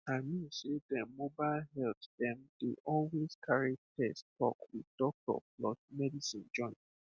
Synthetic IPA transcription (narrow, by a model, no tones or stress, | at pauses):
aɪmĩnsedɛmobaɪlɦɛltdɛ̃mdḛʔɔlwezkʰaɹitʰɛstʰɔ̰kwiðdɔk̚tɔ̰klɔsmɛdisĩnd͡ʒɔ̃ɪ̃n